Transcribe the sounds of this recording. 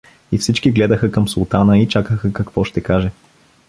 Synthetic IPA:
ifsit͡ʃkiɡlɛd̪əxəkəmsulˠt̪anəit͡ʃakəxəkɐkvɔʃt̪ɛkaʒɛ

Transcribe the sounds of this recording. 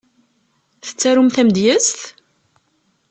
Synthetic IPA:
θə̥t͡sːæɾumθæmd̪jəst̪

